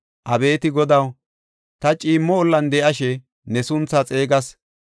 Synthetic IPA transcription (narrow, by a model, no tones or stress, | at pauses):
ʔɐbe̞ːt̪ɪɡɔd̪ɐw | t̪ɐt͡ʃʼiːmːɔːlːɐnd̪ɛʔɐʃɛ | nɛsʊnt͡sːɐt͡sʼe̞ːɡɐs